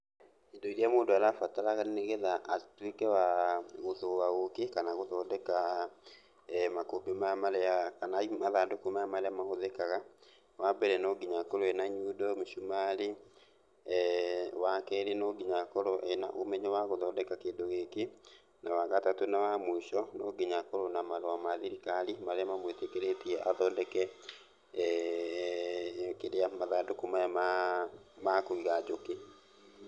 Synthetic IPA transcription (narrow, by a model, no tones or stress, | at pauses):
endoiɾiamoːndoaɾafataɾaɣaneneɣɛðaʔatwekɛwaɣoðowaɣokekanaɣoðɔːdɛka | makobemamaɾɛakanaimaðadokumaamaɾɛamaɣoðɛkaɣa | wabɛɾɛnɔːɡiɲakɔɾɔɛnaɲudɔmoʃumale | wakɛɾenɔɡiɲakɔɾɔʔena̰ʔomɛɲɛwaɣoðɔːndɛkakeːndoɣeke | nawaɣatatonawamwuiʃɔnɔɡiɲakɔɾonamaɾoamaðiɾikalimaɾeɛmamwetekeɾetiɛʔaðɔːndɛkɛ | keɾeamaðadokomajama | makoiɣad͡ʒoke